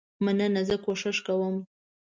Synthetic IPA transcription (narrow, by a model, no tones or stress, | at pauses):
mananazəkoʃɪʃkawəm